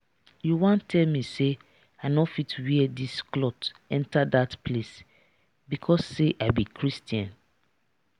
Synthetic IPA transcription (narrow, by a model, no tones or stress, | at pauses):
juwãntʰɛlmise | aɪnɔfitwiɛdisklɔtɛ̃ntadatpʰles | bikʰɔsːeʔabikʰɹistiãn